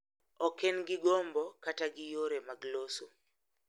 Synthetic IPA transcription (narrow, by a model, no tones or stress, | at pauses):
ɔkenɡɪɡombɔkataɡɪjoɾemaɡloso